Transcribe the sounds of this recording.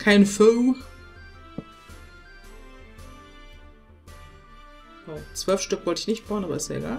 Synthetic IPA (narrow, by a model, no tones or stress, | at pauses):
kʰaɪnfœː | oːt͡sv̥œlfʃtʏkv̥ɔltɪçnɪçt̚b̥aːənʔabɐ̰ɪstɛ̰ʔḛɡa̰ːl